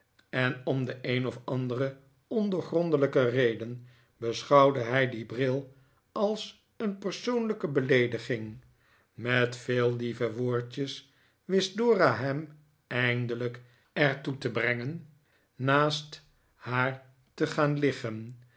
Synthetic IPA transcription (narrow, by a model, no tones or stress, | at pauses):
ɛnɔmdəʔejnɔfɑndərə | ɔndəɹχrɔndələkərejdən | bəsχɑwdəɦɛjdibrɪlˠ | ʔɑlˠs | ənpəɹsownləkəbəlejdəχɪŋ | mɛtfeːlˠdivəʋoːɹtəs | ʋɪsdʊːraɦɛm | ɛjndələk | ɛɹtutəbrɛŋənː | aːst | haːɹ | təχaːnlɪχən